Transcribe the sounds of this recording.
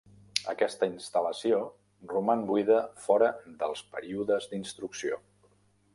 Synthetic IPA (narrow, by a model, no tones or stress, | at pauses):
ə̰kɛst̪əinst̪ələsio | rumanbuiðəfɔɾəðəlˠspəɾiuðəzd̪inst̪ɾuksio